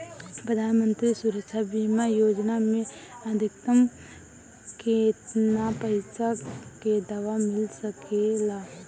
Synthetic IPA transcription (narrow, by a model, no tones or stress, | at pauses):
pɾəd̪ʱaːnmə̃nt̪ɾisuɾəkt͡ʃʰabiːmajoːd͡ʒnamẽɐd̪ʱɪkəm | ket̪napəɪsaked̪aʋamɪlsəkelaː